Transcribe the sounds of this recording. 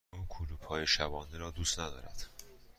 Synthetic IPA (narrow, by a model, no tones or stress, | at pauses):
ukʰuːluːb̥hɒːjeʃæbɒːniɾɒːd̪uːst̪næd̪ɒ̰ːɾæ̰d̪̥